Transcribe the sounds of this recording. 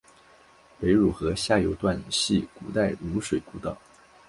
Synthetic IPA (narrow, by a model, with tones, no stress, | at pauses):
pe˧˥ɪɻu˨˩xɤ˧˥ɕja˥˩jo˧˥ʊt̪wa˥˩n˨˩ɕi˥˩ku˨˩t̪a˥˩ɪlu˧˥ʂwe˨˩ɪku˧˥t̪ɑ̰˨˩˦